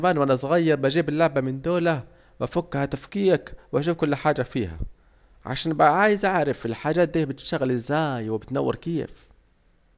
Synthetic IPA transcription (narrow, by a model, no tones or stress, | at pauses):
maːnwʔanasˤɣajːɑɾˤbad͡ʒiːbɪlːʊʕbamɪnd̪oːla | wʔafʊkːhat̪afkiːakwʔaʃ̬uːfkʊlːħaːd͡ʒafiːha̰ | ʕa̰ʃaːnbaʕaːjɪzʔaʕɾɪfɪlħaːd͡ʒaːt̪̚d̪iːhabɪt̪ʃt̪aɣalɪzːaːjwɪbɪt̪na̰wːɪ̰ɾkeːf